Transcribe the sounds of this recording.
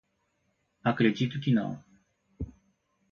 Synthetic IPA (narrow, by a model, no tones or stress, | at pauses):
akɾed͡ʒit̪ukʲina̰w